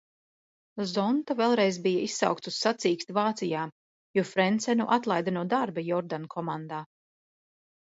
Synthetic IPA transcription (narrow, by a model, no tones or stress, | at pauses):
zɔnt̪avɛlˠɾɛjzbijaissa̰wk̚t̪sussat̪siːkst̪vaːt̪sijaː | jɔfɾɛnt̪sɛnuʔat̪lˠajd̪anuːd̪aɾbajɔɾd̪ankʰɔmand̪aː